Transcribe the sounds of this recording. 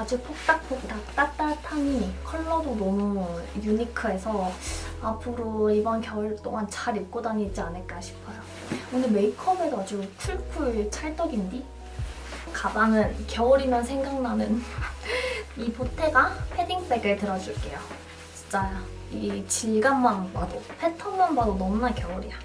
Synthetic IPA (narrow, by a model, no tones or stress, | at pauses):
ad͡ʑuk̚pʰok̚t͈ak̚pʰok̚t͈ak̚t͈at͈atʰaɲikʰʌɭːʌdonʌmujuɲikʰɯe̞sʰʌapʰɯɾoibʌnkjʌɭt͈oŋant͡ɕaɾik͈odaɲit͡ɕ͈ianɯɭk͈aɕʰi̥pʰʌjo | wɯndeme̞ikʰʌmedad͡ʑut͡ɕʰuɭkʰuɭt͡ɕʰaɭt͈ʌɡindi | kabaŋɯnkjʌʌɾinansʰe̞ŋɡaŋnanɯn | ipotʰe̞ɡapʰediŋp͈eɡɯɭtɯɾʌd͡ʑuɭk͈e̞jo | t͡ɕi̥t͡ɕ͈aja | it͡ɕiɭɡanmanbadopʰetʰʌnmanbadonʌmunakjʌʌɾija